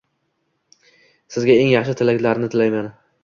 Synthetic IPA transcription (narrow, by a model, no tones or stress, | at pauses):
sɪzɡʲae̞ŋjɑχʃɪt̪ʰɪlakʲlaɾnɪt̪ʰɪlajman